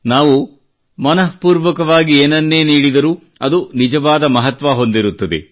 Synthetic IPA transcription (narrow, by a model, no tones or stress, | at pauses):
naːʋu | mɐnɐɦpuːɾʋɐkɐʋaːɡieːnɐnːeːniːɽid̪ɐɾu | ɐd̪unid͡ʒɐʋaːd̪ɐmɐɦɐt̪ʋaɦo̞nd̪iɾut̪ːɐd̪ḛ